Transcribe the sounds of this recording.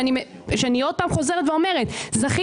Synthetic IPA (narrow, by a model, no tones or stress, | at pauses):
animʃeanio̞d̪̚paːmχo̞zeʁetveome̞ʁet̪zaχi